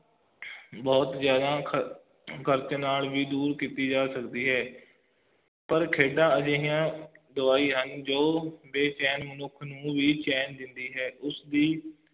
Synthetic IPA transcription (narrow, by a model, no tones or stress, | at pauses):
bɔːt̪zjaːd̪ãː | kʰəɾt͡ʃnaːlʋiːd̪uːɾkiːt̪iːd͡ʒaːsəkd̪iːɦɛː | pəɾkʰeːɖãːəd͡ʒeːɦijãːd̪əʋaːiːɦənd͡ʒoːbeːt͡ʃɛːnmənʊkʰnũːʋiːt͡ʃɛːnd̪ɪnd̪iːɦɛːʔʊsd̪iː